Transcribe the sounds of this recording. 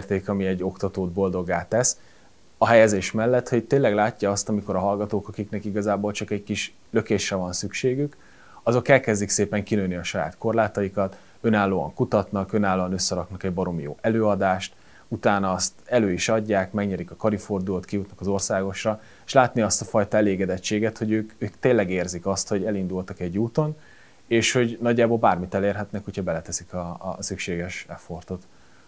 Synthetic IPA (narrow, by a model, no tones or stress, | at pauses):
rt̪eːkɒmiɛɟːo̞kt̪ɒt̪oːd̪bo̞ld̪o̞ɡːaːt̪ːɛs | ɒɦɛjɛzeːʃmɛlːɛt̪ho̞ɟ̚t̪eːlːɛɡlaːcːɒɒst̪ɒmiko̞ɾɒɦɒlɡɒt̪oːkɒkiknɛkiɡɒzaːboːlt͡ʃɒkɛɟkiʃ | lø̞keːʃrɛvɒnsykʃeːɡyk | ɒzo̞kɛlkɛzd̪ikseːpɛŋkinønːiɒʃɒja̰ːt̪ko̞rlaːt̪ɒjikɒt̪ | ø̞naːlːoːɒ̰ŋkut̪ɒt̪nɒkø̞naːlːoːɒnø̞sːɛɾɒknɒkɛɟbɒɾo̞mijo̰ːʔɛløːɒd̪aːʃt̪ | ut̪aːnɒɒst̪ɛløːiʃɒɟːaːkmɛɡɲɛɾikɒkɒɾifo̞rd̪uloːt̪kijut̪nɒkɒzo̞rsaːɡo̞ʃrɒ | eʃlaːt̪niɒst̪ɒfɒjt̪ɒɛleːɡɛd̪ɛt͡ʃːeːɡɛt̪ho̞ɟøːkøːkt̪eːnlːɛɡeːrzikɒst̪ho̞ɟɛlind̪ult̪ɒkɛɟːuːt̪o̞n | eːʃho̞ɟnɒɟːaːbolbaːrmit̪ɛleːrɦɛt̪nɛkhochɒbɛlɛt̪ɛsikɒsykʃeːɡɛʃɛfo̞rt̪o̞t̪